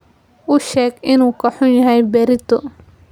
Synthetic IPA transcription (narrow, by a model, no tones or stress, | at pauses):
ʊʃɛːɡɪnuːkʰɐħʊnjɐɦɛjbɛɾɪt̪ʰɔ